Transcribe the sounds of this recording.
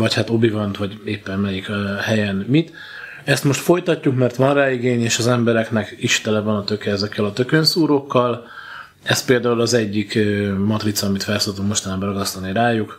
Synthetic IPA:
vɒchat̪o̞bivɒnt̪vɒɟeːpːɛnmɛjikhɛjɛnmit̪ | ɛst̪mo̞ʃt̪fo̞jt̪ɒcːukmɛrt̪ʋɒnraːiɡeːɲeːʃɒzɛmbɛɾɛknɛkiʃt̪ɛlɛvɒnɒt̪ø̞kɛzɛkːɛlɒt̪ø̞kønsuːɾo̞kːɒl | ɛspeːld̪aːulɒzɛɟːikːmɒt̪rit̪sɒmit̪fɛrsoːt̪uŋkmo̞ʃt̪ɒnaːbɒɾɒɡɒst̪ɒniɾaːjuk

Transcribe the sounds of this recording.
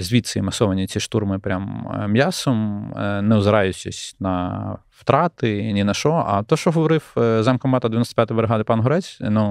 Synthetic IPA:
zʲʋʲit̪sɪimɐsɔʋɐnʲit͡sʲiʃt̪urmɪpɾʲammʲjasɔmnɛʊzɾɑjʊt͡ʃɪ̰sʲnɐ | wt̪ɾɑt̪ɪnʲinɐʃɔɐ̰t̪ɔʃt͡ʃɔɦɔʋɔɾɪwzɑmkɐmmɑt̪ɐd̪eʋʲjnɔst̪ɐpʲjat̪ʊjbɾeɦɑd̪ɪpɑnɦɔɾɛt͡sʲnu

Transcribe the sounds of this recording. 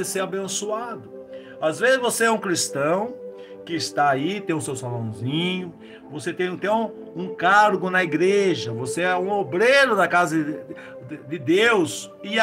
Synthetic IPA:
ɪseabẽsuad̪ʊ | azvezɪzvoseɛũkɾist̪ɐ̃w̃ | kɪɪst̪aait̪ẽj̃ʊ̃sewsalõw̃zĩɲʊ | voset̪ẽj̃ɪ̃t̪ɐ̃w̃ | ũkaɾɡʊnɐiɡɾeʒɐvoseɛũobɾeɾʊd̪ɐkazɐ | d̪ɪd̪ews | ɪ

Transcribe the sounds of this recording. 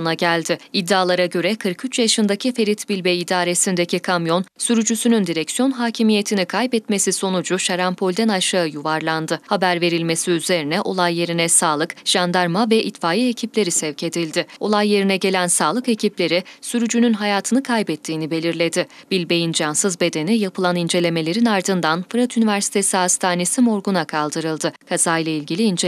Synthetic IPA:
naɟælʲd̪ɪid̪ːaːlˠaɾaɟø̞ɾɛkʰɯɾkyt͡ʃjaʃɯnd̪acʰife̞ɾit̪bilʲbejid̪aːɾe̞sind̪ecʰikʰamjo̞nsyɾyd͡ʒysynynd̪iɾɛcsijo̞nɦaːcʰimije̞t̪ʰinikʰajbɛt̪me̞siso̞nud͡ʒuʃaɾampʰo̞lʲd̪ænaʃaɯjuvaɾlˠand̪ɯhabæɾve̞ɾilʲme̞siyze̞ɾinɛʔo̞lˠajːe̞ɾinɛsaːlˠɯkʒ̥and̪aɾmavɛʔit̪faːjiecʰiplʲe̞ɾisɛvcʰe̞d̪ilʲd̪ɪo̞lˠajːe̞ɾinɛɟe̞lʲænsaːlˠɯke̞ciplʲe̞ɾisyɾyd͡ʒynynɦajaːt̪ʰɯnɯkʰajbɛt̪ʰːiːnibe̞lʲiɾlʲe̞d̪ɪb̥ilʲbe̞jind͡ʒansɯzbe̞d̪e̞nijapʰɯlˠanind͡ʒe̞lʲe̞me̞lʲe̞ɾinaɾd̪ɯnd̪anfɯɾat̪ynivæɾsi̥t̪ʰe̞siɦast̪ʰaːne̞simo̞ɾɡunakʰalˠd̪ɯɾɯlˠd̪ɯkʰaz̥aːjlˠailʲɟilʲiːnd͡ʒ

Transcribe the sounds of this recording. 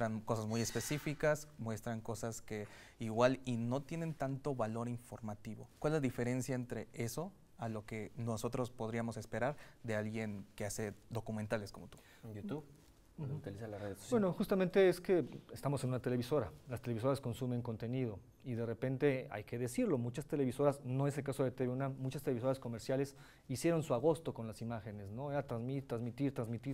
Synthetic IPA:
ɾanko̞sazmuje̞spe̞sifikasmwe̞st̪ɾaŋko̞saske̞ | iɣwalino̞t̪je̞ne̞nt̪ant̪o̞βalo̞ɾiɱfo̞ɾmat̪iβo̞kwalezlaðife̞ɾe̞nsjaent̪ɾe̞ʔe̞so̞ | aloke̞no̞so̞t̪ɾo̞spo̞ð̞ɾiamo̞se̞spe̞ɾaɾðe̞alɣje̞ŋke̞ase̞d̪o̞kument̪ale̞sko̞mo̞t̪u̥ | jut̪uβ | t̪ilisalareðeso̥bjwenoxust̪amẽnt̪e̞eske̞est̪amo̞se̞nũnat̪e̞le̞βiso̞ɾalast̪e̞leβiso̞ɾasko̞nsume̞ŋko̞nt̪e̞niðo̞ | iðe̞re̞pe̞nt̪e̞a̰jke̞ðe̞siɾlo̞mut͡ʃast̪e̞le̞βiso̞ɾasno̞e̞s̬elkaso̞ðet̪eβeunamut͡ʃast̪eleiso̞ɾasko̞me̞ɾsjale̞s | isje̞ɾo̞nsuaɣ̞o̞st̪o̞ko̞nlasimaxe̞ne̞sno̞eɾat̪ɾazmiɾt̪ɾanzmit̪iɾt̪ɾanzmit̪iɾ

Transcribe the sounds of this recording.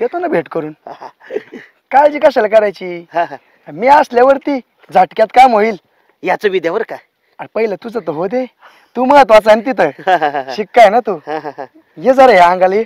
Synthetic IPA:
t̪et̪onabʱeʈkəɾuːn | kajd͡ʑiːkaɕəlkaɾajt͡ɕiːɦãɦ | miːasljaʋəɾt̪i | d͡zʱaʈkjat̪kamɦoiːl | jat͡soʋid̪jaʋəɾka | aɾpəɦilat̪ud͡zət̪əɦod̪e | t̪uməɡat̪ʋat͡sənt̪̬it̪əɾɦaɦɕikːajnat̪uːɦãɦ | jed͡zəɾajaãŋɡale

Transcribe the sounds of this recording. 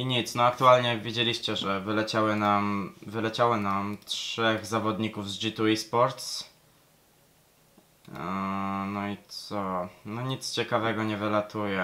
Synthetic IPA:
iɲit̪snɔak̚t̪ualɲɛvʲjed͡ʑelʲiɕt͡ɕɛʐɛvɘlɛt͡ɕawɘnamvɘlɛt͡ɕawɔnamtʂɛɣzavɔd̪ɲikuvzd͡ʒit̪uispɔɾt̪s | nɔit̪sɔnɔɲit̪st͡ɕɛkavɛɡɔɲɛvɘlat̪ujɛ

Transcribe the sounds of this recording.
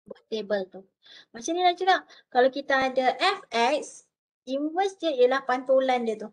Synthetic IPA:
bət̪ebəlt̪u | masənĩlat͡ʃəɡaʔkalawkit̪aːdaʔɛfɛk̚s | invəsi̥t̪iet̪ijalahpant̪olandiət̪u

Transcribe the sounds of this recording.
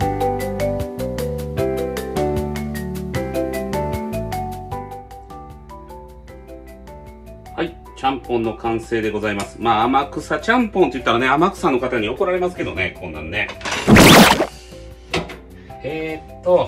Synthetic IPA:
hai | t͡ɕãmpõ̞nːo̞kʰãɰ̃se̞ːd̪e̞ɡo̞zaimasɨ̥maːamakɯ̟sat͡ɕãmpõ̞nt̪ojɯ̟t̪ːaɾane̞amakɯ̟̥sãnːokat̪aɲ̟io̞ko̞ɾaɾe̞masɨ̥ke̞d̪o̞ne̞kʰõ̞nːã̰nːe̞ | eːt̪ːo

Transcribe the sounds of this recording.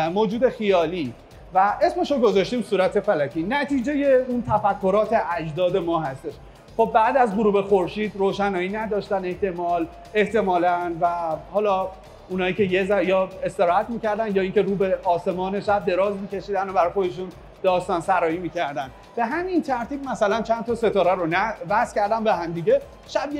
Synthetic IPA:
moːd͡ʒuːd̪e̞xijɒːliː | væe̞sme̞ʃoɡo̞zɒʃt̪iːmsuːɾæt̪ʰe̞fælækʰiːnæt̪ʰiːd͡ʒe̞je̞unt̪ʰæfækʰːo̞ɾɒːt̪ʰe̞ʔæd͡ʒd̪ɒːd̪e̞mɒːhæst̪e̞ʃ | χob̚ːæːd̪æzɡoɾuːbe̞xo̞ɾʃiːd̪ɾoːʃænɒːjinæd̪ɒːʃt̪æne̞ht̪e̞mɒːl | e̞ht̪e̞mɒːlænvæhɒːlɒː | unhɒːjiːce̞jezæjɒːe̞st̪e̞ɾɒːhæt̪miːcæɾd̪ænd̪jɒːiːŋkʲeɾuːbe̞ʔɒːse̞mɒːne̞ʃæb̚d̪e̞ɾɒːzmiːcʰʲe̞ʃiːd̪ænobæɾɒjxo̞d̪eʃ̬un | d̪̥ɒːʃt̪ɔːnsæɾɒːiːmiːcʰæɾd̪æn | b̥e̞ɦæmint̪ʰæɾt̪ʰiːb̚mæsælænt͡ʃʰænt̪ʰɒːse̞t̪ʰɒːɾæɾonævæscʰæɾd̪æmbeɦæmd̪iɟe̞ | ʃæbj

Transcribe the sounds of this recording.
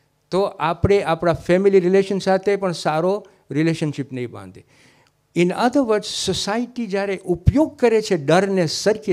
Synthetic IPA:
t̪oʔapɽ̃eʔapɽafɛmiliɾɪleʃənsat̪ʰepəɳsaɾo | ɾɪleʃənʃipnəĩbã̰nd̪e | ɪnəd̪əʋəɾssosaiʈid͡ʒjaɾeʔupjoɡ̚kəɾet͡ʃʰeɖəɾnesəɾki

